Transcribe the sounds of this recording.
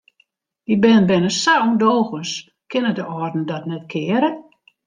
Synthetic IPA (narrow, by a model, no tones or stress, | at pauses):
dibɪnəbɪnəsawndoːɣəns | kʰɪnədəɔrdn̩dɔtnɛtkʰɪəɾə